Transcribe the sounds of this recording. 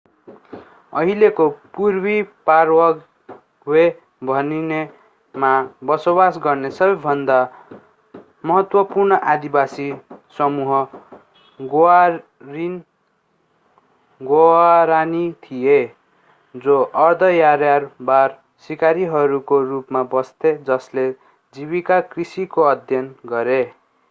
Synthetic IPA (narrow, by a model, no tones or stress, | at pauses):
ʌɦilekopurbiparwʌɡ | we | bʱʌnine | mabʌsobasɡʌrnesʌbʌbʱʌnd̪a | mʌɦʌt̪wʌpurnʌʔad̪ibasisʌmuɦʌ | ɡ | rin | ɡoaɾanit̪ʰije | d͡zoʔʌrd̪ʱʌjaɾjarbar | sikaɾiɦʌɾukorupmabʌst̪ʰed͡zʌsle | d͡ziβikakrisikoʌd̪ʱjʌnɡʌɾe